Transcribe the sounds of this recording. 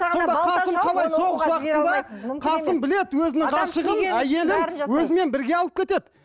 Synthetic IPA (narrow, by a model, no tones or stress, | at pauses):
sso̞nd̪ɑqʰɑsəmqʰɑlˠɑjso̞ʁəssw̪ɑqət̪ənd̪ɑqʰɑnsəmbɪle̞d̪ɪwɵzɪnɪŋʁɑʃəʁənæje̞lɪnwɵzɪme̞nbɪɾɡʲe̞ɑlˠəp̚kʲet̪e̞d̪ɪ